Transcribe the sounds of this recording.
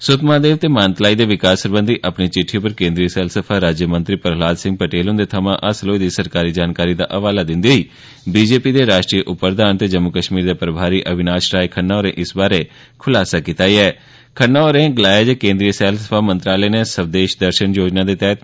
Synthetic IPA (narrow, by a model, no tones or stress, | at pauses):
sʊt̪maːd̪eːʋt̪eːmaːnt̪laːiːd̪eːʋɪkaːsəɾbə̃nd̪iːʔəpniːt͡ʃɪʈʰːipəɾkẽːnd̪ɾiːəsɛːlsəpʰaːɾaːd͡ʒjəmə̃nt̪ɾiːpəɾɦlaːd̪sɪ̃ŋɡpəʈeːlõnd̪eːt̪ʰəmãːʔəsloːid̪iːsəɾkaːɾiːd͡ʒaːnkaːɾiːd̪a̰ːʔəʋaːlaːd̪ɪnd̪iiː | biːd͡ʒeːpiːd̪eːɾaːʃʈɾiːəʔʊpːɾd̪ʱaːnt̪eːd͡ʒəmːʊkəʃmiːɾd̪eːpɾəbʱaːɾiːʔəbɪnaːʃɾaːekʰənːaːoːɾẽːʔɪsbaːɾeː | kʰʊlaːsaːkɪt̪aːiɛː | kʰənːaːoːɾẽːɡəlaːed͡ʒeːkẽːnd̪ɾijəsɛːlsəpʰaːmə̃nt̪ɾaːleːneːsəbd̪eːʃd̪əɾʃənjoːd͡ʒnaːd̪eːt̪ɛːt̪̚